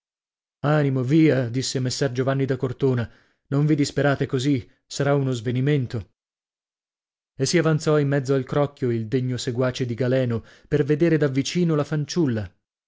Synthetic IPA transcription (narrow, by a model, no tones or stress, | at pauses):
aːnimoviːad̪isːemesːɛrd͡ʒovanːid̪akort̪oːna | noɱvid̪ispeɾaːt̪ekozi | saɾaunozveniment̪o | esːiavant̪sɔimːɛd̪zːoalkɾɔkːjoild̪eɲːoseɡwaːt͡ʃed̪iɡalɛːno | perved̪eːɾed̪avːit͡ʃiːnolafant͡ʃulːa